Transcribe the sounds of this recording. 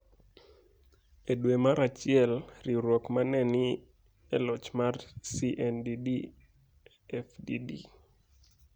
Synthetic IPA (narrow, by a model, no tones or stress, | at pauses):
edwemaɾat͡ʃɪɛlriɾwɔkmanɛni | ɛlɔt͡ʃmarsiʔɛndidi | ɛfdidḭ